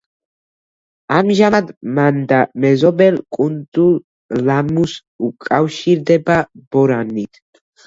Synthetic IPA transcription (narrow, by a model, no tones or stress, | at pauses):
amʒaad̪mand̪amɛzɔbɛlkʼunt̪ʼul | lamus | ukʼawʃiɾd̪ɛbab̥ɔɾanːit̪ʰ